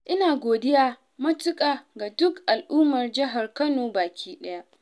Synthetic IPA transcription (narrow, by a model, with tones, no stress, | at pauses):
ʔɪ˦naː˨ɡʷoː˨dɪ˦jaː˦ | mɐ˦tʊ˦kʼaː˨ɡa˨dʊ˦kʔa˨lʔuː˦mɐ˨rd͡ʒɪ˦ɦa˨rkɐ˦noː˨baː˨kʲiː˦ɗɐ˦ja˦ʔ